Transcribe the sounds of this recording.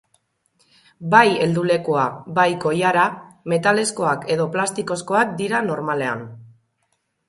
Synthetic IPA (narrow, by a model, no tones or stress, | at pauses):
baje̞ld̪ule̞kuabajko̞jaɾame̞t̪ale̞sko̞ake̞ðo̞plast̪iko̞sko̞ak̚d̪iɾano̞ɾmale̞a̰n